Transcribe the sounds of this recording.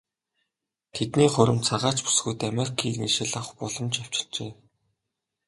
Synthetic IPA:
t̪ʰet̪niːχʊɾɘ̆mt͡sʰaʁaːt͡ɕpu̥sɡujt̪ameɾikʰiːḭʃĕɮăχpɔɮɞ̆mt͡ɕaw̥t͡ɕɪ̥̆ɮt͡ɕeː

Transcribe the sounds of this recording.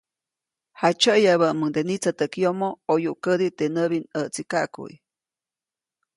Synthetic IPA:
hat͡ʃəʔjaβəʔməŋd̪enit͡sat̪əkjomoojuʔkəd̪it̪enəβinəʔt͡sikaʔkṵʔj

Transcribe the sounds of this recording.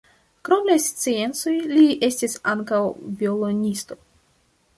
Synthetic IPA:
kɾo̞mlast͡sie̞nt͡so̞jliʔe̞stisaŋkawviolo̞nʲisto̞

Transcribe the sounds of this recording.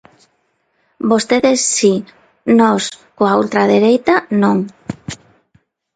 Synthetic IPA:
bost̪eðesːi | nɔskoault̪ɾaðeɾejt̪anõŋ

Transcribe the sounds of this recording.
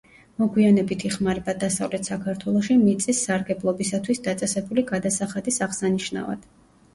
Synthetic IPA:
mɔɡwianɛbit̪ʰiχmaɾɛbad̪asavlɛt̪ʰsakʰaɾt̪ʰwɛlˠɔʃimit̪sʼisːaɾɡɛblˠɔbisat̪ʰwisd̪at̪sʼɛsɛbuliɡad̪asaχad̪isaʁsaniʃna̰va̰d̪̥

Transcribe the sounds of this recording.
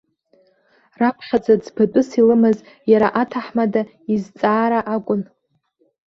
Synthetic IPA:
rapʰχʲad͡zad͡zbʰatʷʼʊsilɨmɨz | jaɾaʔatʰaħmada | izt͡sʼaːɾaʔakʷʼʊn

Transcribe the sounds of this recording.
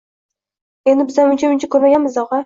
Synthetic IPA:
e̞nd̪ɪbɪzanʊnt͡ʃʰaʊnt͡ʃʰakʰʲɵɾmaɡʲanmɪzd̪ɒʁɑ

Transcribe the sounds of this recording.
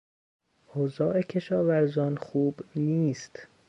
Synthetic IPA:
ʔozɒːʔecʰe̞ʃɒːvæɾzɒːnxuːbniːst̪

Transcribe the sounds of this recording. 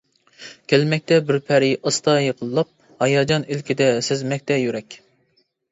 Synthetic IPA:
kʲʰɛlmɛk̚ʲt̪ɛbɪɾpʰɛɾɪʔɑst̪ʰɑjeqʰəlˠːɑp̚ | hɑjɑːd͡ʒɑnelkʲid̪ɛsɪzmɛk̚ʲt̪ɛjyɾɛkʲ

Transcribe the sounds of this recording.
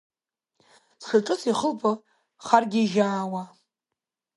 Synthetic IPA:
sʂaʈ͡ʂʼɨt͡sʰiχəlpʰʼɨ | χarɡʲiʒaːwa

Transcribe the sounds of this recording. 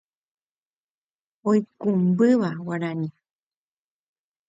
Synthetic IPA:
ojkumbɨʋawaɾaɲi

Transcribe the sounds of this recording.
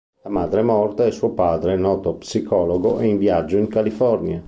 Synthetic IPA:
lamaːd̪ɾemɔrt̪aɛsuopaːd̪ɾenɔːt̪opsikɔːloɡoʔɛiɱvjad͡ʒːoiŋkalifɔrnja

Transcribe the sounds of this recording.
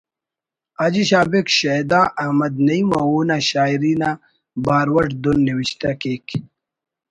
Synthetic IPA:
ɐd͡ʑiɕaːbekɕɐjd̪aːʔɐmɐd̪nɐimɐwuːnaɕaːiɾiːna | baːɾwɐʈd̪unːiwiɕt̪ɐkek

